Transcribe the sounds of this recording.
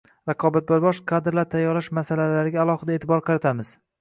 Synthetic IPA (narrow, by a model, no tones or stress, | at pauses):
ɾɑqʰɒbat̪̚boɾbɒʃqʰad̪ɪɾlaɾt̪ʰajːɒɾlaʃmasalalaɾɪɡʲaːlˠɒhɨd̪aeːt̪ʰɪbɒɾqʰɑɾat̪ʰamɪz̥